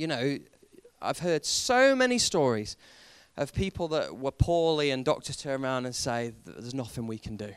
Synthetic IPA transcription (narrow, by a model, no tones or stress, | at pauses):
jɨnoʊ | ʔa̰ɪv̥ɦɜːd̥soʊmɛnistɔːɹiz̥ | ʔəv̥pʰiˑpʰl̩ˠðəʔwəpʰɔːliə̃ndɒk̚tʰəz̥tʰɜ̃˞nɹãʊ̃ndə̃nseɪðəznʌθɪ̃ŋwikʰə̃ndɨ